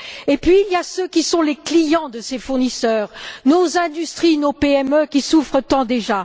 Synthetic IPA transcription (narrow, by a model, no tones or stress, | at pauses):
epɥiːljasøkʲisɔ̃leklijɑ̃d̪əsefuʁnisœːʁnozɛ̃d̪yst̪χinopeɛmøkʲisufχət̪ɑ̃d̪eʒa